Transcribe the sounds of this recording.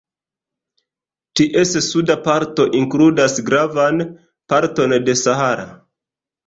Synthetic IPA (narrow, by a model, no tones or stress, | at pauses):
tiʔe̞ssudapaɾto̞ʔiŋkludasɡɾavan | paɾto̞nde̞sahaɾa̰